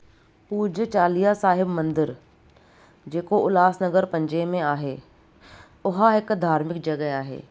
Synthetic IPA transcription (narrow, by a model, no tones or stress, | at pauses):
puːd͡ʑt͡ɕaːlijasaːɦɪbmɐ̃nd̪ɪɾ | d͡ʑeːkoʔʊlaːsnɐɡəɾpɐ̃ɲd͡ʑemẽaːɦeː | ʊɦaɦɪkd̪ʱaːɾmɪkd͡ʑɐɡəɦaːɦḛː